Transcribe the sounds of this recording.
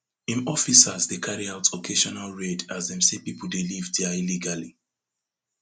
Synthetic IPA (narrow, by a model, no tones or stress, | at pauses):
ĩnɔfisazdekʰaɹiaʊtsɔkʰeʃɔnalɹedazðɛ̃msepipəl̩ˠdelivdailiɡali